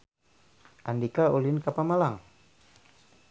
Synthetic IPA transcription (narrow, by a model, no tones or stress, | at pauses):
ʔandikaulinkapamalaŋ